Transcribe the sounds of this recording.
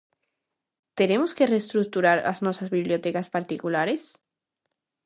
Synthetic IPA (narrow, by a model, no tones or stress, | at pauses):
t̪e̞ne̞moske̞rest̪ɾuk̚t̪uɾaɾa̰znwosazβiβljo̞t̪ekaspaɾt̪ikulaɾe̞s